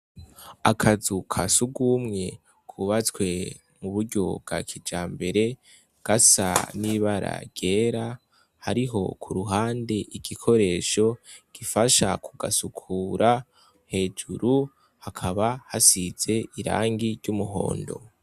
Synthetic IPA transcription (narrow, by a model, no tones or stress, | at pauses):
akʰazukʰasuɡumŋe̞ | kʰuβat͡skwe̞ | muβuɾɟo̞bɡ̥a̰kʰid͡ʒaːmbe̞ɾe̞ | ɡ̥asa̰niβaɾa̰ɾɟe̞ːɾa | haɾiɦo̞kʰuɾuɦaːnde̞ʔiɡ̥ikʰo̞ɾe̞ːʃo̞ɡ̥ifaʃakʰuɡasukʰuːɾʔa | he̞ːd͡ʒuɾu | hakʰaβahasiz̥e̞iɾa̰ːŋɡiɾɟumuɦo̰ːndo̞̰